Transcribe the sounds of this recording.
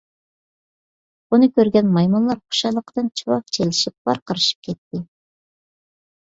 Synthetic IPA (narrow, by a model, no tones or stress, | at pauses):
bunɨkʲøɾɡʲɛnmɑjmɑnlˠɑɾχʰo̥ʃɑlˠəqəd̪̥ɨnt͡ʃʰiwɑq̚t͡ʃʰelɪʃip̚bɑ̰ɾqəɾɨʃp̚kʲʰɛt̪ːɪ